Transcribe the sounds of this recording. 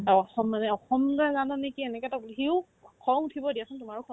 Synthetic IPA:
ɔxɔmːanɛɔxɔmdazanɔnekiɛnɛkɛtablɦiʊ | kʰɔŋutʰibɔdijasɔntumaɹukʰɔ

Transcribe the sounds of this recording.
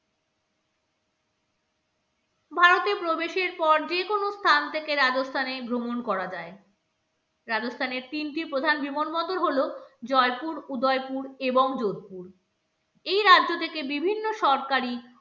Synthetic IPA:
bʱaɾot̪epɾobeʃeɾpɔɾd͡ʑekonost̪ʰant̪ʰekeɾad͡ʑost̪ʰanebʱɾomonkɔɾad͡ʑae | ɾad͡ʑost̪ʰaneɾt̪inʈipɾod̪ʱanbimonbɔd̪oɾɦolod͡ʑɔepuɾud̪ɔepuɾeboŋd͡ʑod̪̚puɾ | ejɾadʑot̪ʰekebibʱinːoʃɔɾkaɾi

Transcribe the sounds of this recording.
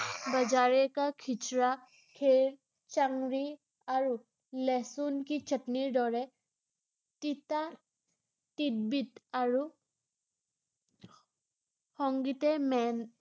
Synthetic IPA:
bəd͡ʒaɹɛkakʰit͡ʃɹa | kʰeɹ | t͡ʃaŋɹi | aɹu | lɛsunkit͡ʃʰətniɹdɔɹɛ | tita | tit̚bitaɹu | hɔŋɡitɛmɛn

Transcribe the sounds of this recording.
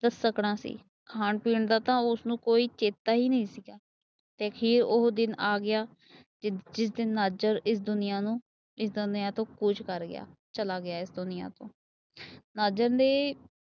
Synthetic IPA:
d̪əsːəkɳaːsḭː | kʰaːnpiːɳd̪aːt̪ãːʊsnũːkoːiːt͡ʃeːt̪aːɦiːnəĩːsɪɡaː | t̪eːkʰiːɾʊɦd̪ɪnaːɡɪjaː | d͡ʒɪs̬d̪ɪnnaːd͡ʒəɾɪs̬d̪ʊnɪjãːnũː | ɪsd̪ʊnɪjãːt̪õːkʊt͡ʃkəɾɡɪ̰ja̰ːt͡ʃəlaːɡɪaːɪsd̪ʊnɪjã̰ːt̪õ̰ː | naːd͡ʒəɾd̪eː

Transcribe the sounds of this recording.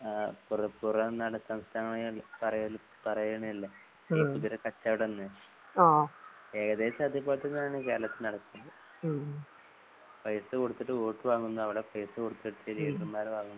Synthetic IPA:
purɐpurɐenːaːɽesɐmst̪ʰaːŋːɐɳɐjlpɐrɐjɐl | pɐrɐjɐɳɐmilːɐ | eːpuðiɾekɐt͡ɕːaːʋiɽenːɨ | oː | eːkɐðe̞ːsad̪ʱip̬ːaːt̪ːenːaːɳɨkeːɾɐlɐt̪ːilnɐɽɐkːunɐd̪ɨ | pɐjɐsɨkoɽut̪ːiʈːɨoːʈːɨʋaːŋːunːɐɐʋiɽepɐjsɨkoɽut̪ːiʈːɨiliːʈrɨmːaːɾʋaːŋːunːɐ

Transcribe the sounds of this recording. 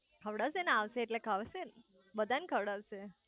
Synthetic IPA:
kʰəʋɽasenaʋseeʈlekʰaʋsen | bəd̪ʱankʰəʋɽaʋse

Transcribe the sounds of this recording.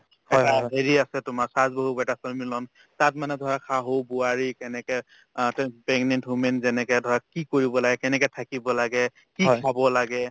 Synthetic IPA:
ɛaɦeɹiasɛtʊmasazboɦubɛtasɔlmilɔn | tatmanɛdʱɔɹakʰaɦobuaɹikɛnɛkɛ | tpɛŋɡnɛntɦumɛnzɛnɛkɛdʱɔɹakikoɹibɔlaɡɛkɛnɛkɛtʰakibɔlaɡɛ | kikʰabɔlaɡɛ

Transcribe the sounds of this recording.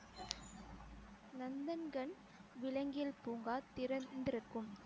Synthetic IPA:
nɐnd̪ɐnɡɐɳ | ʋɪɭɐŋɡɪjɐlpuːŋɡaːt̪ɪɾɐnd̪ɪɾɯkːɯm

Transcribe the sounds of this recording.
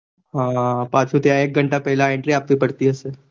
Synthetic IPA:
ɦãːpãːt͡ʃut̪eaeːk̚ɡʱəɳʈapɛɦlaẽɳʈɾĩaːp̚t̪ipɐɽt̪iɦɛsəɾ

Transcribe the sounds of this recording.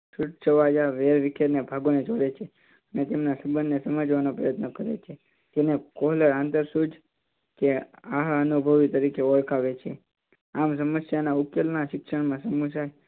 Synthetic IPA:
suʈ̚t͡ʃʰəʋad͡ʒaʋeɾʋikʰjeɾnebʱaɡoned͡ʒoɽet͡ʃʰe | ənet̪emnasəbənːesəmad͡ʒʋanopɾəjət̪nəkəɾḛt͡ʃʰe | d͡ʒenekoɦləɾant̪əɾsud͡ʒ | keaɦənubʱəʋit̪əɾikeɔɭkʰaʋet͡ʃʰe | ams̬əməsjanaukjelnaʃɪkʂəɳmãsəmus̬aj

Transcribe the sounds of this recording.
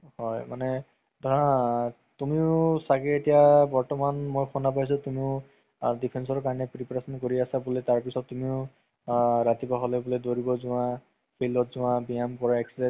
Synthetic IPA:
hɔjmanɛ | dã | tumiʊsakɛetijabɔɹtɔmanmojxʰɔnap̬ajs̬ɔtumiʊ | dipʰensɔɹkaɹɔnɛpɹipɹasɔnkoɹiasabulɛtaɹpisɔtːumiʊ | ɹatibaɦɔlɛbʊlɛdoɹibɔzʊwã | pʰilɔtzʊ̃wãbijamkɔɹaekside

